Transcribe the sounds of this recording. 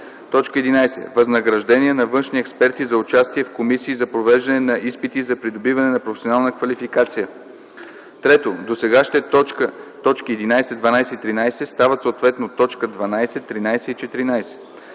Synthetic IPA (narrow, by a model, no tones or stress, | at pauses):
t̪ɔt͡ʃkəɛd̪inajsɛ̰vɐznɐɡɾɐʒd̪ɛnʲiɛnɐvɤnʃniɛkspɛɾt̪izɐut͡ʃast̪iɛfkomisiːzɐpɾovɛʒd̪ɐnɛnɐʔispit̪izɐpɾid̪obivɐnɛnɐpɾofɛsʲonalˠnəkvɐlifikat̪sijə | t̪ɾɛt̪od̪osɛɡaʃt̪ɛ | t̪ɔt͡ʃkiɛd̪inajsɛd̪vɐnajsɛit̪ɾinajsɛst̪avət̪soːt̪vɛt̪not̪ːɔt͡ʃkəd̪vɐnajsɛt̪ːɾinajsɛit͡ʃɛt̪iɾinajsɛ̥